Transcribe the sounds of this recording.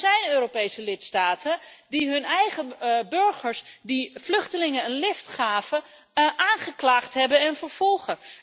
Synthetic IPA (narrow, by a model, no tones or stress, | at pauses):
zɛjnøːɾopejsəlɪtstaːtʰədiɦɵnɛjχəbɵɹχəɹsdiflɵχtəlɪŋənənlɪftχaːvə | ʔaːnχəklaːχtɦɛbənɛnfəɹv̥ɔlˠχə